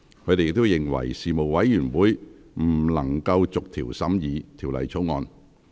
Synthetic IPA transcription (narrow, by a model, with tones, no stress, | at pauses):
kʰɵ˧t̪e˨jɪ˨k̚t̪o˥wjɪ˨˩ŋwɐ̰˨˩jsiː˨mo˨˩wwɐ˨˥jjyː˨˩nwuː˨˥j | m̩˨˩lɐ˨˩ŋkɐ˧wt͡sʊ˨k̚t̪ʰiː˨˩wsɐ˨˥mjiː˨˧t̪ʰiː˨˩wlɐ̰˨˩jt͡sʰo˨˥wŋɔ̰ː˧n